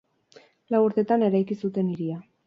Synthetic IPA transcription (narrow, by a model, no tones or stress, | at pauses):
lawuɾt̪e̞t̪ane̞ɾajkisut̪e̞niɾia